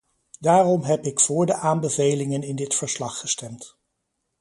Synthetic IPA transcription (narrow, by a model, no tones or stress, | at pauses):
daːrɔmɦɛpɪkfʊːɹdəʔaːmbəvejlɪŋənɪndɪtfəɹslɑχːəstɛmt